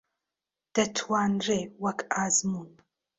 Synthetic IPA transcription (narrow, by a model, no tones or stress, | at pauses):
d̥ɐtʰwaːnrejwakʼaːzmun